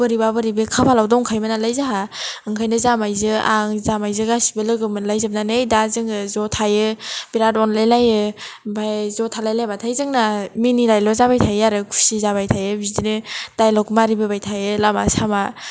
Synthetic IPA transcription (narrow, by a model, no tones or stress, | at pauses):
bɯɾibabɯɾibɯkʰapʰalawdɔŋkʰajmanalajzaɦaɯŋkʰajnɯzamajzɯaŋzamajzɯɡasi̥bɯlɯɡɯmɯnlajzab̚nanejdazɯŋɯzɔtʰajɯb̥iɾatɔnlajlajɯbʰajzɔtʰalajlajbatʰajzɯŋnaminiɾajlɔzabajtʰajɯjaɾɯkʰu̥sizabajtʰajɯbizdinɯd̥ajlɔkmaɾibɯbajtʰajɯlama̰sama